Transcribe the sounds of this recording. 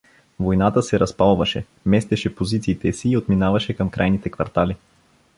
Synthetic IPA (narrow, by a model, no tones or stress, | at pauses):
vojnat̪əsɛɾɐspalˠvɐʃɛ | mɛst̪ɛʃɛpozit̪siːt̪ɛsiːot̪minavɐʃɛkɐmkɾʔajnit̪ɛkvɐ̰ɾt̪ali